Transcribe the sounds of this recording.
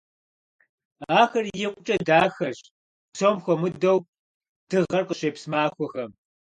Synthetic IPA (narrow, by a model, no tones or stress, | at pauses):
aːxɐrjɪqʷʼʊt͡ʃʼɐdaːxɐʑ | sʰoːmxʷɔmɨdɐw | d̥ɨʁɐrqəɕeːpsmaːxʷɔxɐm